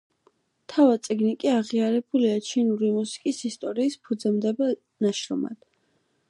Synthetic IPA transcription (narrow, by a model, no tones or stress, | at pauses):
t̪ʰavatt̪sʼiɡnikʼiaʁiaɾɛbuliat͡ʃʰinuɾimusi̥kʼisist̪ʼɔɾiːspʰud̪zɛmd̪ɛba | naʃɾɔ̰ma̰d̪̥